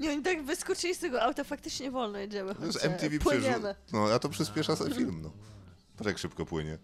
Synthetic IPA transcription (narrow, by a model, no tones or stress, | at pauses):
ɲɛɔɲit̪aɡvɨskut͡ʂilʲist̪ɛɡɔawt̪ɔfak̚t̪ɘt͡ʂɲɛvɔlnɔjɛd͡ʑɛmɛɛsɛmt̪ʲivʲipɲɛmɘnɔat̪ɔpʂɨspʲjɛʂasɛfʲilmnɔ | t̪ɾakʂɘpkɔpwɘɲɛ